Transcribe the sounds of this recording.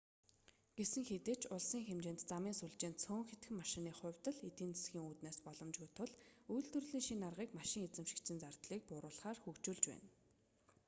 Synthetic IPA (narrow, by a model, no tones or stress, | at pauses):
ɡ̥esɘ̆ŋxet̪ɘ̆ːt͡ɕʰʊɮsiːŋxemt͡ɕeːnt̪t͡samiːnsuɮt͡ɕeːnt̪t͡sʰoːŋxet̪ɡɘ̆maʃɪ̆niːχʊ̟wʲt̪ə̆ɮet̪iːnt͡sʰe̥sxʲiːŋuːt̪naːspɔɮɞ̆mt͡ɕɡujʰt̪ʰːʊɮujɮt̪ɵ̆rɮiːŋʃinarʁiːkmaʃɪ̆ŋet͡sɘ̆mʃɪ̥̆kt͡sɘ̆nt͡sar̥t̪ɮiːk̚pʊɾʊːɮχaːrxukt͡ɕuːɮt͡ɕpæ̰ːn